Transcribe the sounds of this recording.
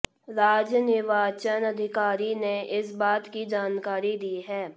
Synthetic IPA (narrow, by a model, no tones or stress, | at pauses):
ɾaːd͡ʒnɪʋaːt͡ʃənɐd̪ʱɪkaːɾineʔɪsbaːt̪kid͡ʒaːnkaːɾid̪iːɦɛː